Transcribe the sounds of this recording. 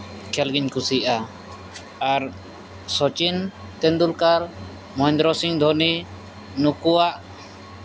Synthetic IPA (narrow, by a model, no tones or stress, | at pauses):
kʰɛlɡiɲkusiʔaː | ɾ | sɔt͡ʃint̪ɛ̃nd̪ulkaɾ | mɔɛ̃nd̪ɾɔsiŋd̪ʱɔni | nukuwaʔ